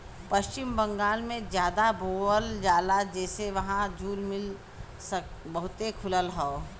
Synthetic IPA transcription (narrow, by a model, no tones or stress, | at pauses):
pɐʃt͡ʃɪmbɐ̃ŋɡaːlmẽd͡ʒjaːd̪aboːəld͡ʒaːlad͡ʒɛːseʋɐɦãd͡ʒʱuːɾmɪl | səkbɐɦʊt̪ekʰʊləlɦoː